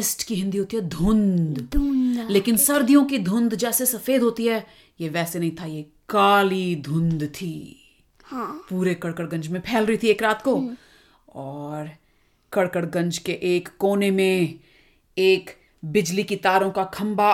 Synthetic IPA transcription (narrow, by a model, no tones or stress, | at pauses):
ɪsʈkiɦɪ̃nd̪iɦoːt̪iɦɛd̪ʱʊ̃nd̪d̪leːkɪnsɐɾd̪ʱijõkid̪ʱʊ̃nd̪d͡ʒɛːsesɐfeːd̪ʱɦoːt̪iɦɛː | jeʋɛːsenɐɦĩt̪ʰaje | kaːlid̪ʱʊ̃nd̪t̪ʰiː | hapuːɾekɐɽkəɽɡɐ̃nd͡ʒmẽpʰɛːlɾɐɦit̪ʰieːkɾaːt̪ko | ɔːɾ | kɐɽkəɽɡɐ̃ɲd͡ʒkeʔeːkːoːnemẽ | eːk | bɪd͡ʒlikit̪aːɾõkakʰɐ̃mba